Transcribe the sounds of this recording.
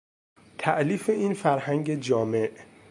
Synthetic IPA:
t̪ʰæʔliːfe̞iːnfæɾhæŋɟed͡ʒɒːme̞ʔ

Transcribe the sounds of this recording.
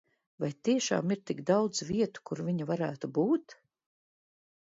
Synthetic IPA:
vajt̪iɛʃa̰ːmiɾt̪iɡd̪awd̪zviɛt̪u̥kuɾviɲavaɾæːt̪ubuːt̪

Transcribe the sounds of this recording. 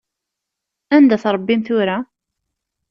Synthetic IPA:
ænd̪æθɾˤəbːimθʊɾa

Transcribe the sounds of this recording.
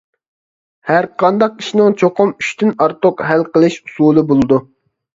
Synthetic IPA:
hæɾqʰɑnd̪ɑq̚i̥ʃinɪŋt͡ʃʰoqʰʊmyʃt̪ʰynɑɾt̪ʊqɦælqəlˠɨʃu̥sulˠɨbolˠɨd̪u

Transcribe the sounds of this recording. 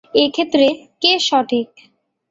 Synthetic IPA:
ekʰet̪ːɾekeʃɔʈʰik̚

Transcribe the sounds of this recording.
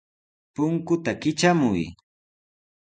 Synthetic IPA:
pʊŋkʊt̪akɪt͡ʃamʊj

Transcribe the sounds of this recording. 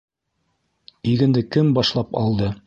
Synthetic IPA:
iɡɘ̆nd̪ɘkɘmbɑʃlˠɑpɑ̰lˠd̪ɤ

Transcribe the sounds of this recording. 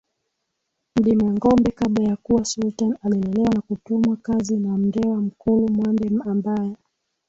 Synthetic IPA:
m̩ɗimaŋɡɔmbɛkaɓlajakuwasultanaliɛndɛlɛwanakutumwakazinam̩dɛwam̩kulumwandɛambajɛ

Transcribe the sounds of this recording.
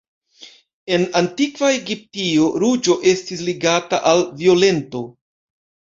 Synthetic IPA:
e̞nantikvae̞ɡip̚tio̞ɾud͡ʒo̞ʔe̞stisliɡata̰ʔalvio̞le̞nto̞

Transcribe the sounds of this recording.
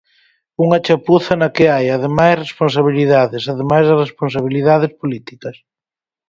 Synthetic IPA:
uŋat͡ʃapuθɐnakeajaðemajsrespons̬aβ̞iliðaðesaðemajzðɐrespons̬aβ̞iliðaðespolit̪ikɐs

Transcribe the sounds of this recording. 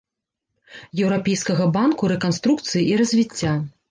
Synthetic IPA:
jɛwɾapʲɛjskɐɣɐbankuɾɛkanst̪ɾuk̚t̪sɨjiʔiɾɐzʲvʲit͡sʲːa

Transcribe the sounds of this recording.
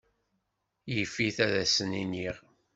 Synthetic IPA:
jəfːiθæðæsəniniʁ

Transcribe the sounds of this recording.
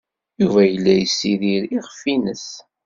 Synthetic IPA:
juvæjəlːæjəsːiɾiɾiʁəfinəs

